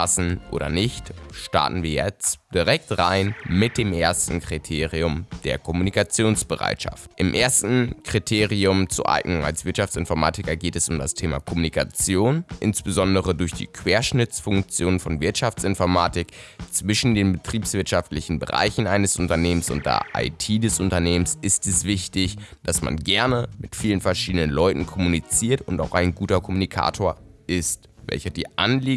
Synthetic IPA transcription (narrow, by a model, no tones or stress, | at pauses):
asn̩ʔo̰ːɾɐ̰nɪçtʃta̰ɐtn̩viːɐjɛ̰t͡std̥iʁɛk̚tʁaɪnmɪt̚d̥eːmʔeːɐstn̩kʁ̥itʰeːʁiʊmd̥eːɐkʰɔmunikat͡sjoːnsb̥əʁa̰ɪtʃa̰ftʔɪmʔeːɐstn̩kʁ̥itʰeːʁiʊmt͡suɐʔa̰ɪɡ̥nʊŋa̰lsv̥ɪɐtʃaft͡sɪnfɔɐma̰ːtɪkɐɡeːtɛsʊmdastʰeːma̰kʰɔmunikʰat͡sjoːnʔɪnsb̥əzɔndəʁədʊɐçd̥ḭːkʰv̥eːɐʃnɪt͡sfʊŋkt͡sjoːnənfɔnvɪɐtʃaft͡sɪnfɔɐmaːtɪkt͡sv̥ɪʃn̩deːnbətʁ̥iːpsv̥ɪɐtʃaftlɪçn̩bəʁa̰ɪçn̩aɪnəsʔʊntɐneːmənsʊ̰nt̚d̥ḛɐʔa̰ɪtʰiːdɛsʔʊntɐneːmənsʔɪstɛsv̥ɪçtɪçd̥asma̰nɡɛɐnəmɪtfiːlənfɛɐʃiːdənənlɔʏtn̩kʰɔmunit͡siːɐtʊntaʊxaɪnɡuːtɐkʰɔmunikʰa̰ːtʰoːɐʔɪst | vɛ̰lçɐdiːʔa̰nliː